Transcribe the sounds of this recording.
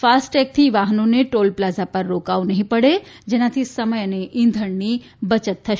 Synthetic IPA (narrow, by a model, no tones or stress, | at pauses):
faːsʈɛk̚t̪ʰiʋaɦnoneʈoːlplazapəɾːokaʋunəɦĩpəɽed͡ʒenat̪ʰisəməjəneʔɪ̃nd̪ʱəɳni | bət͡ʃət̪ʰːəʃ